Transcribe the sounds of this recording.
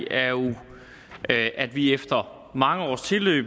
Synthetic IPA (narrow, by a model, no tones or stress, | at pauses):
æɐjo | ʔʔæd̥ʋiefd̥ɐ | mɑ̈ŋəɒ̰ːst͡sʰe̝lø̰ːb̥